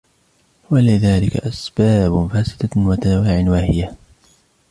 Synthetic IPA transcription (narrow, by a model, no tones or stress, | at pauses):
walɪðaːlɪka̰ʔasbaːbfaːsɪ̥d̪awat̪aawaːʕɪnwaːhɪja